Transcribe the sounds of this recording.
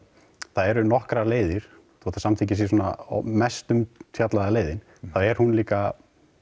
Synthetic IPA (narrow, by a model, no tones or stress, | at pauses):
θaðɛɾʏnɔhkɾaleːjðɪɾ̥ | θɔt̪asamt̪ʰiɲcɪs̬jɛs̬ɔːna̰mɛst̪ʏmt̪ʰjat̪laðaleːjðɪn | θaðɛɾ̥hunliːka